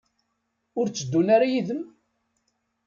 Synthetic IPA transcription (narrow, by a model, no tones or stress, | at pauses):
ʊɾt͡sːəd̪ːunaɾajiðəm